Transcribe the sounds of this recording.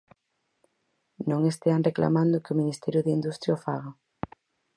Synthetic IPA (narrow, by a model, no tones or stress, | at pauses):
nõŋest̪eanrekla̰mand̪ʊkɪʊminist̪ɛɾjʊðeind̪ust̪ɾjaofaɣa